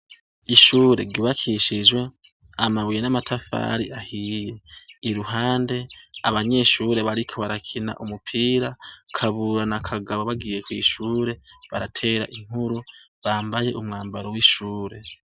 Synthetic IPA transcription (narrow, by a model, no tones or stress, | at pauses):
iʃuːɾe̞̰ɡuβakʰiʃiʒwe̞ | amaβwijenamatʰafa̰ɾiʔahiːje̞iɾuɦaːnde̞aβaɲe̞ʃuːɾe̞βaɾikʰo̞βaɾakʰina̰ʔumupʰiːɾakʰaβuɾanakʰaɡaβoβaɡiːje̞kwiːʃuːɾe̞βaɾatʰe̞ːɾa̰ʔiŋ̥huɾu | βaːmbaje̞ʔumŋaːmbaɾo̞wiʃuːɾe̞